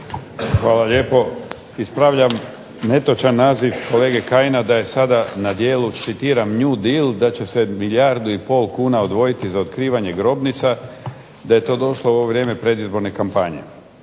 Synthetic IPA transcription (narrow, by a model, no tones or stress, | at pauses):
xʋaːlˠaʎe̞ːpo̞ | ispɾaːʋʎam | ne̞t̪ot͡ʃanːaːziʋko̞le̞ːɡe̞kajnad̪aje̞sad̪anad̪je̞ːluʃit̪iːɾamɲud̪ild̪at͡ɕe̞semiʎaɾd̪uipo̞ːlˠkuːnaod̪ʋo̞jit̪izao̞t̪kɾiːʋaɲe̞ɡɾo̞bnit̪sa | d̪aje̞t̪o̞ːd̪o̞ʃlouoʋoʋɾje̞ːmepɾe̞d̪izbo̞ɾne̞kampaɲe̞̰